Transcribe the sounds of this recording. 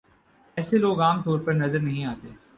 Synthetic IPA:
ɛːseloːɡaːmt̪oːɾpɐɾnɐzəɾnɐɦĩaːt̪eː

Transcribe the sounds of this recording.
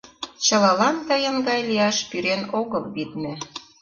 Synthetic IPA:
t͡ɕɤ̆lɑlɑnd̪ɑjə̆ŋɡɑjliɑʃpyɾenoɣɤlβid̪mɘ̆

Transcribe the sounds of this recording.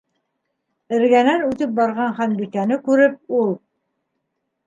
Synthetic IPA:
ɘ̆ɾɡænænʉt̪ɘp̚bɑɾʁɑɴχænbikænɘkʉɾɘp̚ulˠ

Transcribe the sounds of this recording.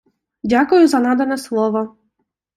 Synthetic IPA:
ɟʲakujuzanad̪ɛnɛslˠɔʋa

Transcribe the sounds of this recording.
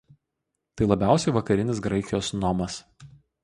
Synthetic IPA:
t̪ɐɪlˠɐbʲæˑʊsʲɛɪʋɐkɐɾʲɪnʲɪsɡɾɐɪkʲɪjoːsnɔmɐs

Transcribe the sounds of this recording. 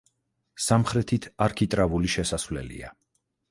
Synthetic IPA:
samχɾɛt̪ʰit̪ʰaɾkʰit̪ʼɾavuliʃɛsasvlɛ̰lḭa̰

